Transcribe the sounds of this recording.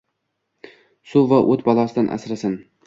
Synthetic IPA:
sʊvaʔot̪bɒlˠɒsɪd̪anʔa̰sɾasɪn

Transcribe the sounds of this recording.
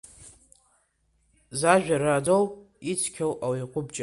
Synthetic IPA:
zaʒᶣarad͡zowʼ | it͡sʷʰkʲʰawawajqʷʼʊbt͡ʃʼa

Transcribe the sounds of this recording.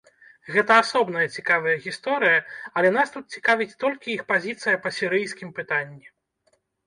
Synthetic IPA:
ɣɛt̪ɐasɔbn̪ɐjɐt͡sʲikavɐjɐɣʲist̪ɔɾɨjɐɐlʲɛnast̪ut̪̚t͡sʲi̥kavʲit͡sʲt̪ɔlʲkʲiixpazʲit̪sɨjɐpɐsʲiɾɨjskʲimpɨt̪anʲːi

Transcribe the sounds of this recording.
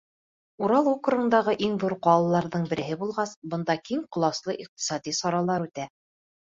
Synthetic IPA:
uɾɑlˠukrɤɤ̆nd̪ɑʁɤʔiŋðuɾqɑlˠɤlˠɑɾðɤɴbɘ̆ɾɘ̆ɦɘbulˠʁɑsbɤ̆nd̪ɑkiŋqŏlˠɑslˠɤʔiq̚t̪i̥sɑd̪isɑɾɑlˠɑɾʉt̪æ

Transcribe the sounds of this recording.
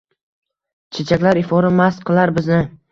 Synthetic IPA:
t͡ʃʰet͡ʃʰakʲlaɾɪfɒɾamasqʰɨlˠaɾbɪznɪ

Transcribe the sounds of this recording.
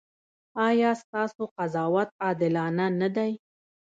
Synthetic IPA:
ɑjɑst̪ɑsoqazɑwat̪̚ɑd̪ɪlɑnanad̪aj

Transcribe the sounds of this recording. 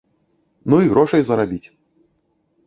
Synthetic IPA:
nuiɣɾɔʂɐjzɐɾabʲit͡sʲ

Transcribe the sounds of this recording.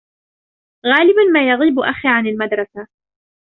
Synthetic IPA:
ɣaːlɪbanmaːjɑɣiːbʔaxiʕanalmad̪ɾˤɑsa

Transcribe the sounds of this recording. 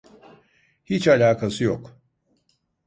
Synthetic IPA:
hit͡ʃalʲaːkʰasɯjok

